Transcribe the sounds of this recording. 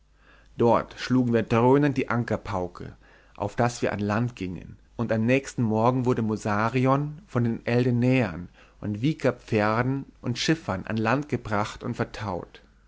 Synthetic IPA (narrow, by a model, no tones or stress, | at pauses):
d̥ɔɐtʃluːɡŋ̩viːɐdʁøːnəndiːʔaŋkɐpʰaʊkʰə̰ | ʔa̰ʊfd̥asv̥iːɐʔa̰nlantɡ̥ɪŋə̰nʔʊntamnɛːçstn̩mɔɐɡŋ̩vʊɐɾəmozaːʁiɔnfɔndeːnʔɛldənɛːɐn | ʔʊntv̥iːkɐp͡fɛɐdn̩ʔʊntʃɪfɐnʔa̰nlantɡ̥əbʁaχtʊntfɛɐtʰaʊt